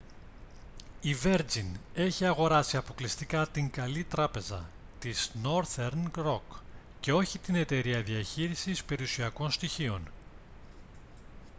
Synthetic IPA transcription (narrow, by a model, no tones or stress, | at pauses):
ive̞ɾd͡zine̞çiɐɣo̞ɾɐsiɐpo̞klist̪ikɐt̪iŋɡɐlit̪ɾɐpe̞zɐ̰ | t̪izno̞ɾθeɾnɾo̞k | ce̞o̞çit̪ine̞t̪e̞ɾiɐðiɐçiɾisispe̞ɾiusiɐko̞nst̪içio̞n